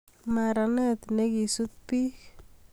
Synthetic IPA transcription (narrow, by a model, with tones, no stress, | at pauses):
ma˨ɾa˨nɛ˦t̪ne˦ki˨su˦t̪̚pi˦